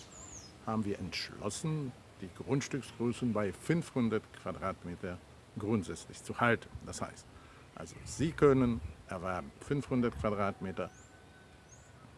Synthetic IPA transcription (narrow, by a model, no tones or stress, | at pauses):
haːbm̩viːɐʔɛntʃlɔ̰sn̩ | d̥iːɡʁʊntʃtʏksɡ̥ʁøːsn̩baɪfʏnfhʊndɐtkʰv̥adʁaːtmeːtɐ | ɡʁʊntz̥ɛt͡slɪçt͡suhaltn̩d̥asha̰ɪst | ʔa̰lzo̰z̥iːkʰœnənʔɛɐvɛɐbm̩fʏnfhʊndɐtkv̥adʁaːtmeːtɐ